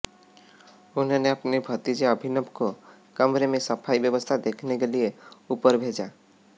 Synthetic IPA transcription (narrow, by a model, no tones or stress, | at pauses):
ʊnɦəneəpnibʱət̪id͡ʒeəbʱinəbko | kəmɾemẽsəpʰaibjəbəst̪ʰad̪ekʰnekelieupəɾbʱed͡ʒa